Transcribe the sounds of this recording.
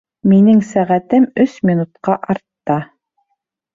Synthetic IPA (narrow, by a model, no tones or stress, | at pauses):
minɘŋsæʁæt̪ɘmɵsmʲinut̪̚qɑʔɑɾt̪ːɑ